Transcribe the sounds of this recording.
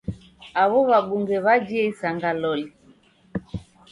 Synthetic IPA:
aβɔβaɓuŋɡɛβad͡ʒiɛisaŋɡalɔli

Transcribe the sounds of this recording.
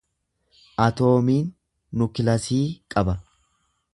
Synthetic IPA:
ʔɐt̪o̞ːmiːnː | ʊkɪlɐsiːkʼɐbɐ

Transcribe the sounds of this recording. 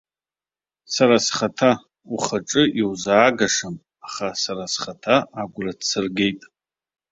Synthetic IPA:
saɾasχatʰa | uχaʈ͡ʂʼɨʔiwzaːɡaʂam | aχasaɾasχatʰaaɡʷradsɨrɡʲe̞jtʼ

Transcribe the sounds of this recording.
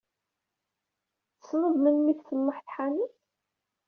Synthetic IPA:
θəsnəðˤmənmiθθənːʊħθħaniç

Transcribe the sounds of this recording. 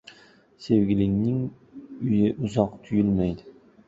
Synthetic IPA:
se̞wɡʲɪlɪŋnɪŋ | ʊjɪʔʊzɒqt̪ʰʊjɪlmajd̪ɪ

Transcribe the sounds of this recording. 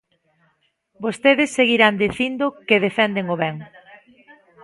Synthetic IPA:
bost̪eðɪsːeɣiɾand̪eθind̪ʊkeðefɛnd̪eŋoβɛŋ

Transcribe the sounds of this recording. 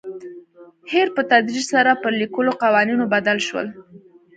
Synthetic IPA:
heɾpət̪ad̪ɾid͡ʒsaɾapəɾlikəloqawɑninobad̪alʃwə̰l

